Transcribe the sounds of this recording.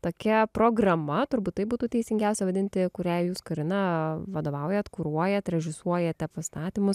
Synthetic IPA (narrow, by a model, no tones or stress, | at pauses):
t̪oːkʲɛpɾoːɡɾɐmɐt̪ʊɾbuːt̪t̪ːɐɪbuːt̪uːt̪ʲɛɪsʲɪŋʲɡʲæˑʊsʲɛʋɐd̪ʲɪnʲt̪ʲɪkʊɾʲɛjuːskɐɾʲɪnɐʋɐd̪oːʋɐʊjɛt̪kuɾuɔjɛt̪ɾʲɛʒʲɪsuɔjɛt̪ʲɛpɐst̪ɑːt̪ʲimʊs